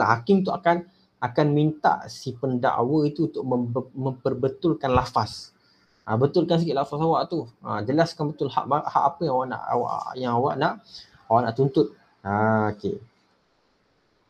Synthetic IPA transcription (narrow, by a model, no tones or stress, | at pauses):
aɦakimt̪uʔakan | akanmint̪a̰ʔsipənda̰ʔwəit̪uunt̪ʊʔ̚məmə̃mpərbət̪ʊlkanlafas | ʔəbət̪ʊlkans̬əkit̪ʔ̚lafasawaʔt̪uə̰d͡ʒəlaskanbət̪ʊlha̰ʔaʔha̰ʔapəjaŋawaʔna̰ʔa̰wa̰ʔjaŋawaʔnaʔ | awaʔna̰ʔt̪unt̪ʊt̪̚ | akḛ